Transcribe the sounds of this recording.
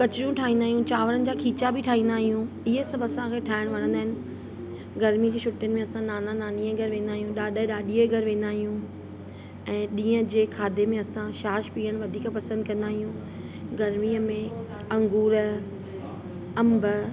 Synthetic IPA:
kɐt͡ɕɪɾijũʈʰaːɦĩːnd̪aːɦijũt͡ɕaːʋəɾənɪ̆d͡ʑaːkʰiːt͡ɕabʱɪʈʰaːɦĩːnd̪aːɦijũ | ɪɦəsɐbʱɐsãkʰeːʈʰaːɪɽ̃ʋɐnə̃nd̪aɦɪ̃nɪ̆ | ɡɐɾmid͡ʑeːʃʰʊʈjənɪ̆mẽɐsãnaːnanaːnieɡʱɐɾʋẽːnd̪aːɦijũɗaːɗəɗaːɗieɡʱɐɾʋẽːn̆d̪aːɦijũ | ɛ̃ːɗĩːə̃d͡ʑeːkʰaːd̪ʱemẽɐsãʃaːʃpiːəɽ̃ʋɐd̪ʱiːkpɐsə̃nd̪̚kɐ̃nd̪aːɦijũ | ɡɐɾmiəmẽ | ɐ̃ŋɡuːɾ | ɐmb

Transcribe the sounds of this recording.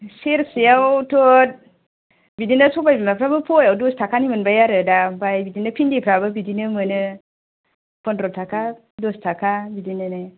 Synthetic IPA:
siɾsijawuto | bidinəsubabimapɾabəpojawdostakanimənbaaɾədabaibidinəpindipɾabəbidinəmənə | pondɾotaka | dostakabidinəne

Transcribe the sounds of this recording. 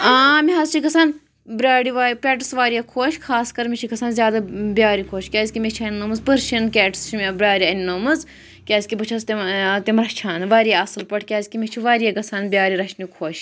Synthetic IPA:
aːmiɦɐzt͡ʃʰikɐsʰɐn | bɾaːɽiʋaːpʲɛːʈɨsʋaːɾijakʰoːʃkʰaːskɐɾmit͡ʃʰikɐsʰɐːnzʲaːd̪abjaːɾikʰoːʃkʲaːzʲkʲimet͡ʃʰiɐnnːomɨzpɨɾʃinkʲɛːʈst͡ʃʰimʲebɾʲaːɾʲiɐnnoːmɨz | kʲaːzʲkibɐt͡ʃʰɐzt̪it̪imɾɐt͡ʃʰaːnʋaːɾijaɐsɨlpɐʈʰkʲaːzʲkimit͡ʃʰiʋaːɾijaːɡɐsʰaːnbʲjaːɾiɾɐʃʰnikʰoːʃ

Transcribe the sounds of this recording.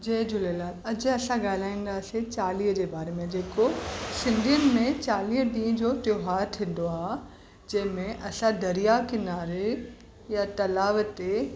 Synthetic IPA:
d͡ʑeːd͡ʑʊlelaːlɐd͡ʑɐsãɡaːl̤aːĩːn̆d̪aːset͡ɕaːliːɦd͡ʑeːbaːɾemẽd͡ʑeːkosɪ̃nd̪ʱijənɪ̆mẽt͡ɕaːliːɦɖĩːd͡ʑoʈjoːɦaːɾt̪ʰĩːn̆d̪oaːɦ | d͡ʑɐ̃ɦɪ̃mẽʔɐsãd̪ɐɾijakɪnaːɾe | jat̪ɐlaːʋt̪e

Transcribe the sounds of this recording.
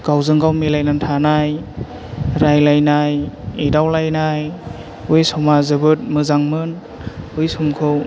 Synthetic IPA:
ɡ̥awzɯŋɡawmelajnantʰanaj | ɾajlajnajedawlajnaj | ujsɔwmazɯbɯt̚mɯzaŋmɯn | ujsumkʰɯw

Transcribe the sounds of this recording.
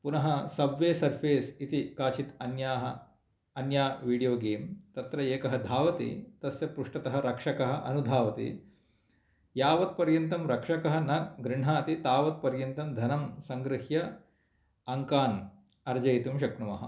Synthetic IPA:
punɐɦɐsɐʋʋjeːsɐɾpʰeːsit̪ikaːt͡ʃit̪ɐnjaːɦɐ | ɐnjaːʋiːɽijoːɡeːmt̪ɐt̪ɾɐeːkɐɦɐd̪ʱaːʋɐt̪ḭt̪ɐsjɐpɾuʂʈɐt̪ɐɦɐɾɐkʂɐkɐɦɐ̆ʔɐ̰nud̪ʱaːʋɐt̪ḭ | jaːʋɐt̪̚pɐɾjɐnt̪ɐmɾɐkʂɐkɐɦɐnɐɡɾɪɳ̤ɦaːt̪it̪aːʋɐt̪̚pɐɾjɐnt̪ɐmd̪ʱɐnɐmsɐŋɡɾɪhjɐ | ɐŋkaːn | ɐɾd͡ʒɐjt̪imʃ̬ɐkɳumɐɦɐ̰̆

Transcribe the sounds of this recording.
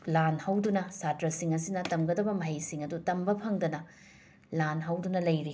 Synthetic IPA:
lanhɐwdunɐsatɾɐsiŋɐsinɐtɐmɡɐdɐbɐmɐɦɐjsiŋɐdutɐmbɐpʰɐŋdɐnɐ | lanɦɐwdunɐlɐjɾi

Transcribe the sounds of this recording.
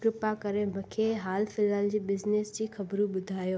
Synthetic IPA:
ɾʊpakɐɾemʊ̃kʰeɦaːlfɪlaːld͡ʑiːbɪzneːsd͡ʑiːxɐbɾuɓʊd̪ʱaːjoː

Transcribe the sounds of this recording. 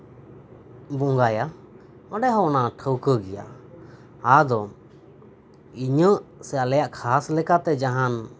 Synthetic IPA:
buŋɡaja | ɔɖɛɦɔɔnaʈʰəwkəɡɛja̰ | had̪ɔ | iɲəʔsɛalɛjaʔkʰaslɛkat̪ɛd͡ʒaɦan

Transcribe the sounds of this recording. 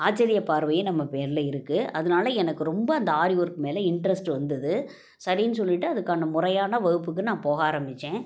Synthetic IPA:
aːt͡ʃːɐɾɪjɐpaːɾʋɐjẽnɐmːɐpeːɾɪlɐɪɾɯkːɯʔɐðɯnaːlɐɛnɐkːɯɾɔmbɐɐnd̪ɐaːɾɪʋɔɾkːɯmeːlɐɪɳɖɾɐsʈɯʋɐnd̪ɐðɯ | sɐɾɪjnɯs̬ɔlːɪʈːɯɐðɯkːaːnɐmʊrɐjaːnɐʋɐɣɯp̬ːɯk̬ːɯnãːpoːɣaːɾɐmbɪt͡ʃːẽː

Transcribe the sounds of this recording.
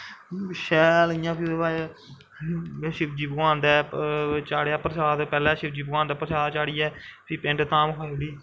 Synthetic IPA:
ʃɛːlijãːpʰieːbaː | ʃɪpd͡ʒiːbəɡãːnd̪ɛːt͡ʃaːɽeaːpɾsaːd̪pɛːlɛːʃɪpd͡ʒiːbɡãːnd̪aːpɾəsaːd̪t͡ʃaːɽiːɛːpʰipɪ̃ɳʈt̪ãːmkʰaːɽiː

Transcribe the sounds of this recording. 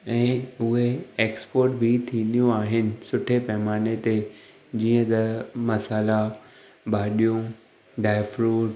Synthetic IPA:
ɛ̃ːʊɦeeːkspoːɾʈbʱit̪ʰĩːnd̪ijũaːɦɪnɪ̆sʊʈʰepɐɦmaːnet̪e | d͡ʑiːə̃t̪ɐmɐsaːla | baːɗijũ | ɖaːɪfɾuːʈ

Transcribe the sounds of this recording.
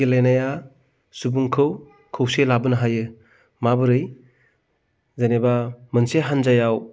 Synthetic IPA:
elenaja | subuŋkʰɯw | kʰɯwselabɯnɐɦajɯ | mabɯɾɯj | zajnebamɯnseɦanzajaw

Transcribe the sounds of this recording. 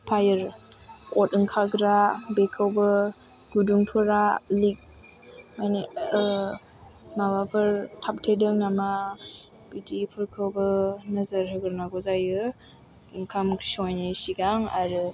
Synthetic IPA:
pʰajɯɾ | kɔtɯŋkʰaɡɾabekʰəwbɯ | ɡ̥uduŋtʰuɾalik̚ | majne | mabapʰɯɾtʰap̚tʰedɯŋnama | bidipʰɯɾkʰɯwbɯnɯzəɾhɯɡɯɾnaɡɔzajɯ | ŋkʰamkʰsajnisiɡaŋaɾɯ

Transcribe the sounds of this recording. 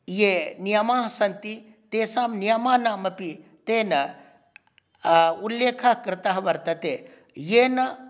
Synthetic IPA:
jeːnijɐmaːɦɐsɐnt̪i | t̪eːsaːmnijɐmaːnaːmɐpit̪eːnɐ | uljeːkʰakɾɪt̪ɐɦɐʋɐɾt̪ɐt̪eː | jeːnɐ

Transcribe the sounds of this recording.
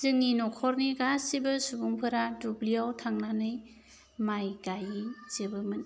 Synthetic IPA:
z̥ɯŋːinɔkʰɔɾniɡasibɯsubuŋpʰɯɾadubliawtʰaŋnanɯj | majɡajizɯbɯmɯn

